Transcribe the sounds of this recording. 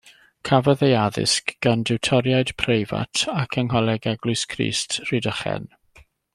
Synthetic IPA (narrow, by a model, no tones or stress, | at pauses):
kʰavəðejaðɪ̰skɡ̥andɪwtʰɔɾjaɨd̥pʰrejva̰tʰakʰəŋɦɔlˠɛɡɛɡlʊjskʰrḭːstʰr̥idəχɛ̰n